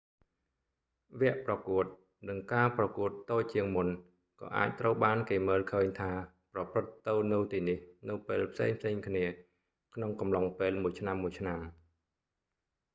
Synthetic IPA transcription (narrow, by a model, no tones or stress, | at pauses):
ʋɛ̆əʔprɑkuət̪̚ | nɨŋkaːprɑkuət̪ːoːc̚t͡ɕiəŋmun | kɑ̰ːʔa̰ːc̚t̪rəwɓaːnkeːməːlkʰəːɲt̪ʰaː | prɑprɨt̪ːɨwnɨwt̪iːnihnɨwpeːlpʰsḛːŋpʰseːŋkʰniə | kʰnoŋkɑmlɑŋpeːlmuəjt͡ɕʰnamːuəjt͡ɕʰnam